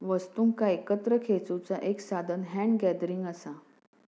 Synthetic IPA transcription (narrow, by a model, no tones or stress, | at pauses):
ʋəst̪uːŋkaekət̪ɾəkʰet͡sut͡saʔeksad̪ʱənɦæ̃ɳɖɡɛd̪ɾiŋɡəsa